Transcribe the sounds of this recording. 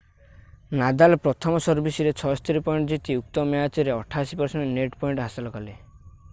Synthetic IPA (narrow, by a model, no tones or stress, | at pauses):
nad̪alɔpɾɔt̪ʰɔmɔsɔɾbisiɾet͡ʃʰɔst̪iɾipɔiɳʈɔd͡ʒit̪iuk̚t̪ɔmeɦat̪ɔɾeɔʈʰasipɔɾseɳʈɔneʈpɔiɳʈɦasilɔkɔle